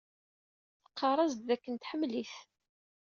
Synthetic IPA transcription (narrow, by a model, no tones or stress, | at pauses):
θəqːɑrˤɑzd̪ðækːənt̪ħəmːliθ